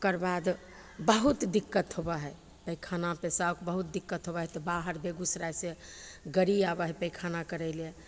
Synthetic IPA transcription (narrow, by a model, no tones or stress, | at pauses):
kəɾbad̪ | bəɦut̪d̪ikːət̪ɦobəɦɛj | pəjkʰanapesawkbəɦut̪̚d̪ikːət̪ɦobəɦɛt̪ɔbaɦəɾbeɡusɾajseɡəɾiabəɦɛpəjkʰanakəɾɛle